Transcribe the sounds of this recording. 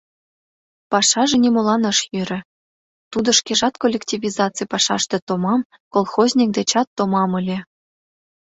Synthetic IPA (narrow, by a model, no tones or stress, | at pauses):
pɑʃɑʒĕnʲimolˠɑnɤʃjøɾʲɘ̆ | t̪ud̪ɤ̆ʃkeʒɑt̪kolʲːektʲivʲizɑt͡sɨjpɑʃɑ̰ʃt̪ĕt̪omɑm | kolˠxozʲnʲik̚d̪et͡ɕɑt̪ːomɑmɤlʲe